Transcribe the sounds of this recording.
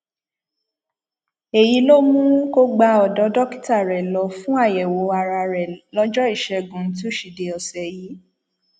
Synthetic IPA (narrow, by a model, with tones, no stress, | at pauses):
e˨ji˨˦lo˦mũ˦ko˦ɡ͡ba˧˦ɔ˨dɔ˨˦dɔ˦ki̥˦˨ta˦˨ɾɛ˨lɔ˨˧fũ˦a˦˨jɛ˨wo˨˦a˧ɾa˧ɾɛ˨lɔ˦d͡ʒɔ˦i˦˨ʃɛ˧ɡũ˨n̩˦t̬i˦o˦˨ʃi˨de˨ɔ˨sɛ˨ji˨˦